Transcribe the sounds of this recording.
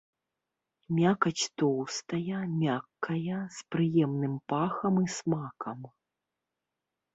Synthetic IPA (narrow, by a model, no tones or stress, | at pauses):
mʲakɐt͡sʲt̪ɔwst̪ɐjɐmʲakːɐjɐspɾɨjɛmnɨmpaxɐmismakɐm